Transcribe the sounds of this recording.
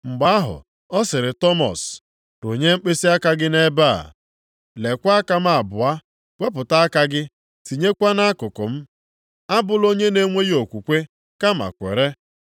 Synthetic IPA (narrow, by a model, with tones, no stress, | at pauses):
ŋ͡m̩˨ɡ͡ba˦a˦ɦʊ̰˨ | ɔ˦sɪ˨ɾɪ˨tɔ˦mɔ̰˨s | do˨ɲe˦mŋ͡m̩˦k͡pe˦si˦a˦ka˦ɡɪ˦ne˦ba̰˦˨ | le˨kʷa˦a˦ka˦m̩˦a˨bʊ˨a˦ | w̥ʷe˦p̬ʊ˨ta˦a˦ka˦ɡɪ˦ | ti˨ɲe˦kʷa˦na˦a˦kʊ˨kʊ˨m̩˦ | a˦bʊ˨lo˦ɲe˦ne˦ŋʷe˦ji˦o˨kʷu˨kʷe˦ | ka˦ma̰˨kʷḛ˨ɾe˦